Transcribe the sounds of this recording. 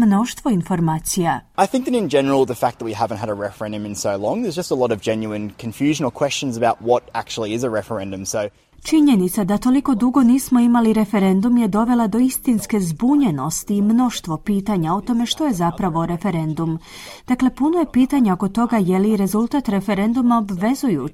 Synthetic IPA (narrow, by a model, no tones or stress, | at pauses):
mno̞ʃt̪ʋo̞info̞ɾmaːt̪sijaaɪθɪ̃ŋk̚ðɨɾɨ̃nd͡ʒɛnə˞l̩ˠðəfæk̚ðət̚wihævə̃nt̚ɦəɾəɹɛfə˞ɛ̃ndɨ̃mɨ̃nsoʊlɔ̃ŋðə˞zd͡ʒʌstəlɔɾʌvd͡ʒɛ̃njʉɨ̃nkʰɨ̃ɱfjʉʒənl̩ˠkʰw̥ɛst͡ʃɨ̃nzəbaʊt̚wɒɾæk̚t͡ʃul̩ˠiɪzəɹɛfə˞ɛ̃ndɨ̃msoʊ | t͡ʃiɲe̞nit̪sad̪at̪o̞liko̞d̪uɡo̞niːsmo̞imaliɾe̞fe̞ɾe̞nd̪umje̞d̪o̞ʋe̞lad̪o̞ist̪inske̞zbuɲe̞no̞st̪iːmno̞ʃt̪ʋo̞piːt̪aɲao̞t̪o̞me̞ʃt̪o̞je̞zapɾaʋo̞ɾe̞fe̞ɾe̞nd̪um | d̪̥akle̞punojepiːt̪aɲaoko̞t̪o̞ɡajeliɾe̞zulˠt̪at̪ɾe̞fe̞ɾe̞nd̪umaobʋe̞zuju